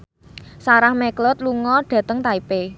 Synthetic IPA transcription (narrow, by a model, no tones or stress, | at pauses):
saɾahmɛklɔt̪̚luŋɔɖ̥ä̤t̪əŋt̪aipe